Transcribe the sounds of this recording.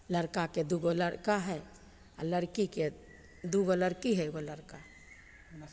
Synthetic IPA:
ləɾkaked̪uɡoləɾkaɦɛ | a̰ləɾkike | d̪uɡoləɾkiɦɛɡoləɾka

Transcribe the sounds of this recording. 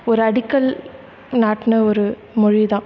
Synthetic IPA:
ɔɾɯɐɽɪkːɐl | naːʈːɪnɐɔɾɯ | mʊɻiðãː

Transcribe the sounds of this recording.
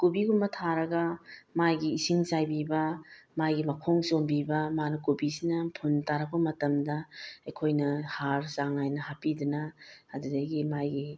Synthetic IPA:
kubiɡumbɐtʰaɾɐɡɐmajɡiːsiŋsajbibɐmajɡimɐkʰoŋsombibɐmanɐkubisinɐpʰuntaɾɐk̚pɐmɐtɐmdɐɐjkʰojnɐhaɾsaŋajnɐhapidunɐɐdudɐɡimajɡi

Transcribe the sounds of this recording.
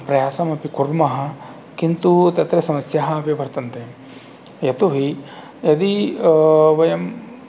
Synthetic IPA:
pɾɐjaːsɐmɐpikuɾmɐɦɐ̆ | kint̪ut̪ɐt̪ɾesɐmɐsjɐɦɐɐpiʋʱɐɾt̪ɐnt̪e | jɐt̪uɦi | jɐd̪i | ʋɐjɐm

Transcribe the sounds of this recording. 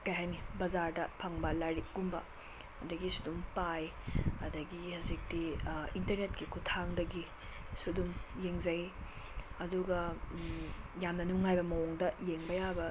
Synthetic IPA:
kɐjɦajnibɐzaɾdɐpʰɐŋbɐlajɾiɡumbɐ̰ | ɐdɐɡisu̥dumpajɐdɐɡihɐzik̚tiintɐɾnet̚kikʰutʰaŋdɐɡi | sudumjeŋzɐj | ɐduɡɐ | jamnɐnuŋajbɐmɐwoŋdɐjeŋbɐjabɐ

